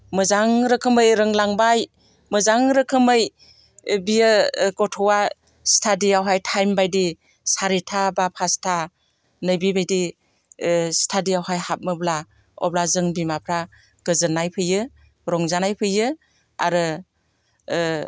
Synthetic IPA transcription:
mɯzaŋɾɯkʰɯmɯjɾɯŋlaŋbaj | mɯzaŋɾɯkʰɯmɯj | bijɯɡɔtʰɔwa | stʰadiawɦajtʰajmbajdi | saɾitʰabapʰastʰa | nɯjbibajdi | stʰadijawɦajhat̚mɯbla | ɔ̰b̚lazɯŋbimapʰɾa | ɡ̥ɯzɯnajpʰɯjɯ | ɾɔŋzanajpʰɯjɯ | a̰ɾɯ

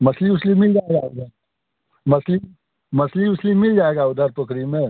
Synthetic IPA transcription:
mɐsliʊslimɪld͡ʒaːeɡaʊ̰ɡa | mɐsli | mɐsliʊslimɪld͡ʒaːeːɡaʊd̪ʱəɾpʊkʰɾimẽː

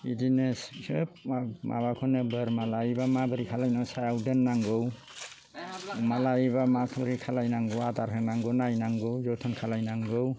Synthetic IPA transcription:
idinessɯpamʔa̰βakʰɔnebəɾmalaibamabɯɾikʰalajnɔwsajawdɯnːaŋɡɯw | malaiβamakʰbɯɾikʰalajnaŋɡɯwataɾɦɯnaŋɡɯnajnaŋɡɯwzɔwtʰɔnkʰalajnaŋɡɯw

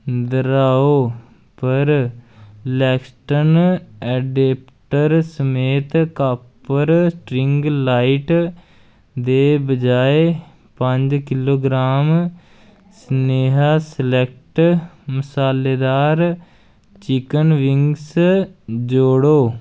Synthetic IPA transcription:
d̪əɾaːoː | pəɾ | lɛːksʈənɛːɖeːp | ʈəɾsəmeːt̪kaːpəɾsʈɾɪŋɡlaːiʈ | d̪eːbəd͡ʒaːe | pəɲd͡ʒkɪloːɡɾaːm | səneːɦaːsəlɛk̚ʰʈməsaːleːd̪aːɾ | t͡ʃɪkənʋɪŋɡs | d͡ʒoːɽoː

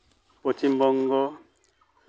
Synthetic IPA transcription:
pot͡ʃimbɔŋɡɔ

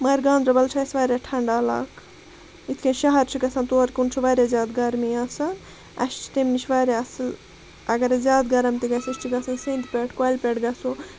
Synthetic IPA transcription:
mɐjɾɡãːnd̪ɾɐbɐlt͡ʃʰaisʋaːɾʲaʈʰɐɳɖaːla̰ːk | it̪ʰkʰẽnʃɐɦɐɾt͡ʃʰikɐsãnt̪oːɾkunt͡ʃʰiʋaːɾʲazʲaːd̪ɡɐɾmijaːsɐn | ɐ̰ʃt͡ʃʰi̥t̪emnit͡ʃʰʋaːɾʲaɐsl | ɐɡɐɾazaːd̪ɡɐɾɐmt̪iɡɐsiʃt͡ʃʰiɡɐsɐnsẽːnd̪pʲeʈʰkaːjlpʲeʈɡɐsu

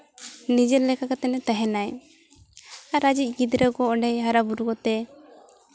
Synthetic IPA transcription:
nid͡ʒɛɾlɛkakat̪ɛnɛt̪aɦɛnaj | aɾad͡ʒic̚ˀɡid̪ɾəɡɔɔɖɛjɦaɾabuɾukɔt̪ɛ

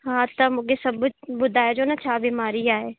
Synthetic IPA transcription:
ɦãt̪ɐmʊkesɐbbʊd̪ʱaːjd͡ʒoːnat͡ʃʰaːbiːmaːɾiaːɦeː

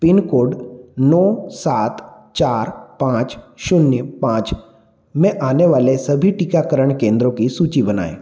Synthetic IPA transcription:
pɪnkoːɖnɔːsaːt̪ | t͡ʃaːɾpãːt͡ʃʃʊnjəpãːt͡ʃ | mɛ̃ʔaːneʋaːlesɐbʱiʈɪkakəɾəɳ̃kẽːnd̪ɾõkisuːt͡ʃibɐna̰ːḛː

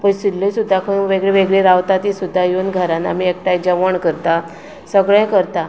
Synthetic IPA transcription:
pəɳsilːəjsud̪ʱːakʰəɳʋeɡɭeʋeɡɭeɾaʋt̪at̪isud̪ʱːajonɡʱəɾana̰miek̚ʈajd͡ʑəʋəɳkəɾt̪a | səɡɭɛ̃kəɾt̪a

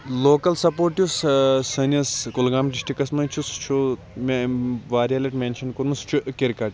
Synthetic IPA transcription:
loːkɐlsɐpoːɾʈjussɐnɐskulɡaːmɖisʈikɐsmɐt͡ʃʰust͡ʃʰu | meʋaːɾjalɐʈmeːnʃɐnkuɾmust͡ʃʰuʔkeɾkɐʈ

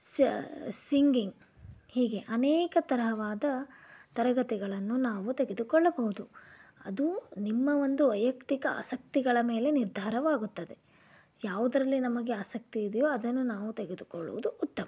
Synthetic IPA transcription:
ssiŋɡiŋɡ | hiːɡe̞ʔɐnɛːkɐt̪ɐɾɐɦɐʋaːd̪ɐt̪ɐɾɐɡɐt̪ɛɡɐɭɐnːunaːʋut̪e̞ɡe̞d̪ukɔɭːɐbɐɦud̪uɐ̰d̪unimːɐʋo̞nd̪uʋɐjɐkt̪ikɐa̰ːsɐk̚t̪iɡɐɭɐme̞ːle̞niɾd̪ʱaːɾɐʋaːɡut̪ːɐd̪e̞ | jaːʋud̪ɐɾɐlːinɐmɐɡe̞aːsɐk̚t̪iːd̪jo̞ːɐd̪ɐnːunaːʋut̪eɡed̪ukɔɭːṵʋṵd̪uʔːt̪ːɐmɐ

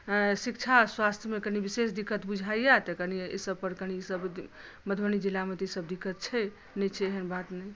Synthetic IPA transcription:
sik̚t͡ʃʰaswast̪ʰjəmekənibisesd̪ikːət̪bud͡ʒʱaijjat̪əkəniesəb̚pəɾkənisəb̪ | məd̪ʱwənid͡ʒilːamet̪isəbd̪ikːət̪̚t͡ʃʰɛ | nɛt͡ʃʰɛeɦənbat̪nəj

